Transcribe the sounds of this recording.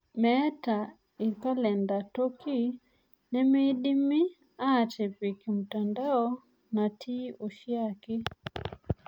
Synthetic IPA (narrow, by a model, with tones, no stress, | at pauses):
mɛ˦ta˨ | i˨ka˦lɛ˨nda˨to˦kʰi˦ | ne˦me˦ɗi˦mi˦ | aː˦˨te˨pi˨ki˨mu˨ta˨nda˦ɔ˦ | na˨tʰi˦o˨ʃja˦ke˦